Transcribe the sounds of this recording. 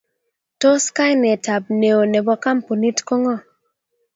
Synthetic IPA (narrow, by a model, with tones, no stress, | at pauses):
to˦ska˦jnɛ˨ta˨p̚ne˨o˨ne˨bɔ˦ka˦mpo˨ni˦tkɔ˦ŋɔ˦˨